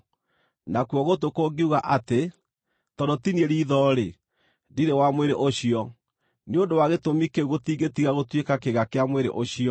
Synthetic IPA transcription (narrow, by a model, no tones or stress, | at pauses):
nakuɔɣotokoɡeuɣaʔate | tɔndɔtinieɾiːðɔɾe | diɾewamweɾeʔoɕiɔ | neondowaɣetomikeɣotiːɡetiɣaɣotwekakeɣakeamweɾḛʔoɕiɔ